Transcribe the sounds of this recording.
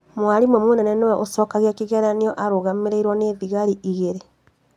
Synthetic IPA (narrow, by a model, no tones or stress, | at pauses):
mwaɾimwɛmonɛnɛnowɛʔosɔːkaɣeakiɣɛɾaniɔʔaɾoɣameɾeiɾwɔneːðiɣaɾiʔiɣeɾe